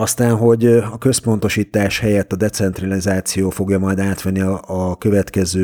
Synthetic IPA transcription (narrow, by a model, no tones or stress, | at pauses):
ɒst̪aːnɦo̞ɟɒkø̞spo̞n̪t̪o̞ʃiːt̪aːʃhɛjɛt̪ːɒd̪ɛt̪sɛnt̪rɒlizaːt̪sijoːfo̞ɡjɒmɒjd̪aːt̪ʋɛnːiɒkø̞vɛt̪kɛzøː